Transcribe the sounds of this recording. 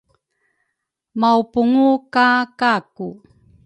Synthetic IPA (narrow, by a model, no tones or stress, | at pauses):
mawpuŋukakaku